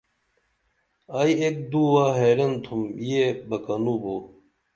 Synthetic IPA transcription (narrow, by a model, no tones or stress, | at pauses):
ɐjek̚d̪uːwaːɦeːɾɐnt̪ʰumjebɐkɐnuːbo